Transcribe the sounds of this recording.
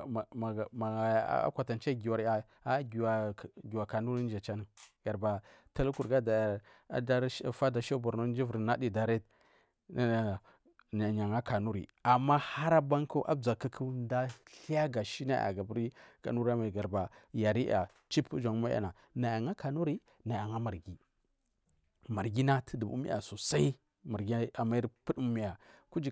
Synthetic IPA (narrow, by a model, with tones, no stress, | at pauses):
ma˨ma̰˨˦a̰˦kʷa˨ta˨nt͡ʃa˦ɡi˨wa˨ɾa˨ | a˦ɡa˨ɡi˨wa˨ka˨nu˦ɾi˦n˦d͡ʒa˨t͡ʃa˦nə˦ɡ̥a˨ɾba˨ | ta˦lu˦ku˨ɾɡa˦da˨˦ | da˦ɾfa˦da˨ʃa˦ba˨ɾno˦d͡ʒi˦vu˨ɾi˨na˦di˨da˨ɾe˦t | na˨ɲa˨ŋa˦ka˨nu˦ɾḭ˨ | a˨mːa˦ha˦ɾa˦ba˦ŋku˦ʔa̰˦bd͡za˨ka˦kʰu˦nda˦ɬi˦ja˦ɡa˨ʃi˦na̰˦ja̰˨ɡa˨bu˦ɾi˦ɡ̥a̰˨nu˦ɾa˦ma˨ɡa˨ɾba˨ja˨ɾi˦a̰˨ | t͡ʃi˦pd͡ʒa˨ŋma˦a̰˦na˨ | na˨ja˨ŋa˦ka˨nu˦ɾi˦ | na˨ja˨ŋa˦ma˨ɾɡi˨ | ma˨ɾɡi˦na˦tʰə˦du˨bṵ˦mḭ˦ja̰˨su˨sa˦i˦ | ma˨ɾɡi˦a˨ma˦i˦ɾpu˦du˦mi˨ja˨ku˦d͡ʒi˨